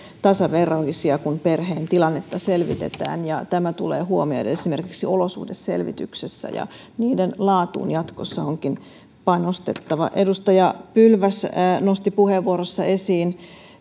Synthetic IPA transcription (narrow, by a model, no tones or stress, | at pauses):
t̪ɑsɑʋeroisiɑkunperheːnt̪ilɑnːet̪ːɑselʋḭt̪ḛt̪æ̰ːnjɑt̪æmæt̪ṵlḛːhuomio̰idḛesimerkiksiolosṵhdessḛlʋḭt̪y̰ksesːæ̰jɑ̰ | niːdenlɑːt̪ṵːnjɑt̪kosːɑoŋkin | pɑnost̪ḛt̪ːɑʋɑ̰ʔedust̪ɑjɑpylʋæsnost̪ipuheʋːuoɾosːɑesiːn